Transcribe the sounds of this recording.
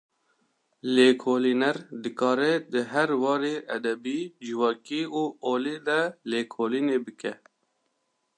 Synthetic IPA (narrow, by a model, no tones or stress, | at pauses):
leːkʰoːliːnɛɾd̪ɨkɑːɾɛd̪ɨɦɛɾwɑːɾeːʔɛd̪ɛbiːd͡ʒɨwɑːkiːuːʔoːleːd̪ɛleːkʰoːliːneːbɨkɛ